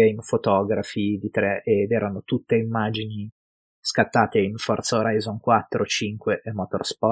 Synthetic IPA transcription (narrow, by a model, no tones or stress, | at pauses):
einfot̪ɔːɡɾafid̪it̪ɾɛʔed̪ɛːɾanot̪ut̪ːeimːaːd͡ʒini | skat̪ːaːt̪einfɔrt̪saoɾajzonkwat̪ːɾot͡ʃiŋkweʔemɔt̪o̰rspɔ